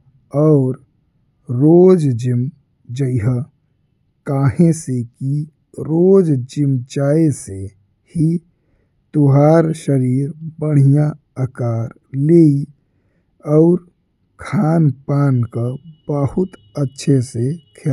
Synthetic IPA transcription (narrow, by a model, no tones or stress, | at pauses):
ɔːɾ | ɾoːd͡ʒd͡ʒɪm | d͡ʒəiɦə | kaːɦẽseki | ɾoːd͡ʒd͡ʒɪmt͡ʃaːese | hi | t̪uɦaːɾʃəɾiːɾbəɽ̤ijã | əkaːɾ | leːi | ɔʊɾ | kʰaːnpaːnkabəhʊt̪ | ətːʃʰesekʰe